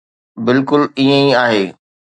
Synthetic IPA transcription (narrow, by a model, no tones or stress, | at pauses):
bɪlkʊliẽiaːɦeː